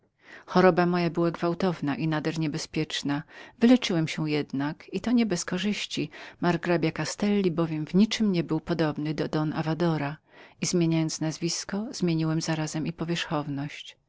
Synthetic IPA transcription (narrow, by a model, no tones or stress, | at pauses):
xɔɾɔbamɔjabɘwaɡvawt̪ɔvnaʔinad̪ɛɾɲɛbɛspʲjɛt͡ʂnavɘlɛt͡ʂɘwɛmɕɛjɛd̪nakit̪ɔɲɛbɛskɔʐɘɕt͡ɕimaɾɡɾabʲjakast̪ɛlʲːibɔvʲjɛmvɲit͡ʂɘmɲɛbɘwpɔd̪ɔbnɘd̪ɔd̪ɔnavad̪ɔɾa | izmʲjeɲajɔnt̪snazvʲiskɔz̥mʲjeɲiwɛmzaɾazɛmipɔvʲjɛʂxɔvnɔɕt͡ɕ